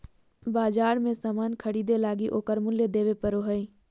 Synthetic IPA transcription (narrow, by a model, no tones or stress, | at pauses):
baːd͡ʒaːɾmẽsaːmaːnkʰəɽiːd̪elaːɡiʔoːkəɾmʊljed̪eːʋepəɾoɦəiː